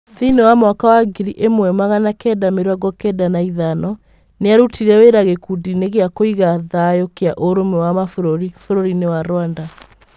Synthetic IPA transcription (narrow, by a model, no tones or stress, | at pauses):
ðinewamwakawaɡiɾiʔemwɛmaɣanakɛːdameɾwaɣɔkɛdanaiðanɔ | neaɾutiɾɛweɾaɣekudineɣeakoiɣaðajokeaʔoɾomɛwamafoɾoɾifoɾoɾinewaɾwanda